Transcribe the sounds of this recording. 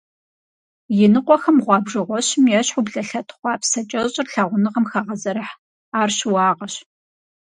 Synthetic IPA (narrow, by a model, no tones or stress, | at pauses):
jɪnɨqʷʼɔxɐmʁʷɑːbʐɨʁʷɔɕmjɛɕħubɮɐɬɐtʰχʷɑːpʰsɐt͡ʃʼɐɕʼɪrɬɐʁʷʊnɨʁɐmxɐʁɐzɐɾɐħ | aːrɕwɑːʁɐɕ